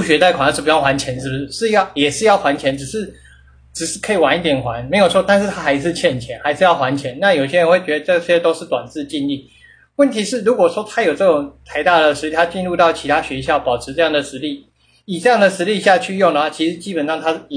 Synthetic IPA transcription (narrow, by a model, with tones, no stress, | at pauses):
u˥˧˩ɕɥɛ˧˥t̪a˥˩ɪkʰa˨˥˩n˥ʂ̩˥˩pu˨˩jxwa˧˦nt͡ɕʰjɛ˧˥nʂɻ̩˥bu˩ʂɻ̩˥˧˩ʂɻ̩˥˧jɑ˥˩ʊjɛ˨˩ʂɻ̩˥˧jɑ˥˩ʊxwa˧˥nt͡ɕʰjɛ˧˥nʈ͡ʂɻ̩˨˩ʂɻ̩˥˩ | ʈ͡ʂɻ̩˨˩ʂɻ̩˥˩kʰɤ˧˥i˨˩wa˧˦ni˥t̪jɛ˨˩nxwa˧˥nme˧˥ɪjo˨˩ʊt͡sʰwɔ˥˧t̪a˥˧nʂɻ̩˥˩t̪ʰa˥xa˧˥ɪʂ̬ɻ̩˥˧t͡ɕʰjɛ˥˩nt͡ɕʰjɛ˧˥nxa˧˥ɪʂɻ̩˥˧jɑ˥˩ʊxwa˧˥nt͡ɕʰjɛ˧˦˥nna˥˨jo˨˩ʊi˩ɕjɛ˥ɻə˧˥nxwe˥˩ɪt͡ɕɥɛ˧˥d̪ə˧ʈ͡ʂɤ˥˩ɕjɛ˥t̪o˥ʊʂɻ̩˥˩t̪wa̰˨˩nt͡sɹ̩˥˧t͡ɕi˥˧nli˥˩ | wə˥˩nt̪ʰi˧˥ʂɻ̩˥˩ɻu˧˥kwɔ˨˩ʂwɔ˥t̪ʰa˥jo˨˩ʊʈ͡ʂɤ˥˩ʈ͡ʂʊ˨˩ŋt̪ʰa˧˥ɪt̪a˥˩də˩ʂɻ̩˧˥li˥˩t̪ʰa˥t͡ɕi˥˧nɻu˥˧t̪ɑ˥˩ʊt͡ɕʰi˧˥t̪ʰa˥ɕɥɛ˧˥ɕjɑ˥˩ʊpɑ˨˩ʊʈ͡ʂʰɻ̩˧˥ʈ͡ʂɤ˥˧jɑ˥˩ŋd̪ə˩ʂɻ̩˧˥li˥˩ | i˨˩ʈ͡ʂɤ˥˧jɑ˥˩ŋd̪ə˩ʂɻ̩˧˥li˥˧ɕja˥˧t͡ɕʰy˥˧jʊ˥˩ŋd̪ə˩wa˥˩t͡ɕʰi˧˥ʂɻ̩˧˥t͡ɕi˥pə˨˩nʂɑ˥˧ŋt̪ʰa˥˨